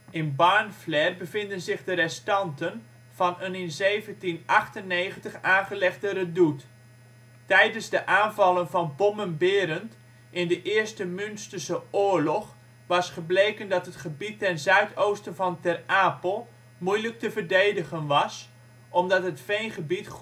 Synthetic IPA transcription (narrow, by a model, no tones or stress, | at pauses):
ɪnbaɹnflɛrbəvɪndənzɪχdərɛstɑntən | v̥ɑnənɪnzejvəntinʔɑχtənːejχəntəχaːnχəlɛχdərədut | tɛjdənzdəʔaːnvɑlˠənvɑnbɔmənbɪːɾənt | ʔɪndəʔɪːɹstəmynstəsəʊːɹlɔχ | ʋɑsχəblejkəndɑtɦətχəbitːɛnzœɥtʰowstənvɑntɛraːpəlˠ | mujlək̚təvərdejdəχənʋɑs | ʔɔmdɑtɦətfejnχəbit